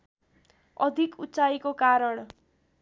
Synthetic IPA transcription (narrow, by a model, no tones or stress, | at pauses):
ʌd̪ʱikutːt͡sajkokaɾʌɳ